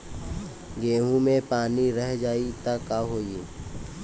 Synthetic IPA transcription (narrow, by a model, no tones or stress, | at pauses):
ɡeːɦũmẽpaːniɾəɦd͡ʒaːit̪akːaɦoːi